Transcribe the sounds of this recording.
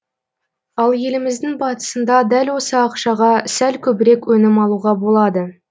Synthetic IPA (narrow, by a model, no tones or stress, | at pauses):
ɑlˠje̞lɪmɪzd̪ɪŋbɑt̪ə̥sənd̪ɑd̪ælwo̞səɑqʃɑʁɑsælkʲʰɵbɪɾe̞kwɵnɪmɑlˠuʁɑbo̞lˠɑd̪ə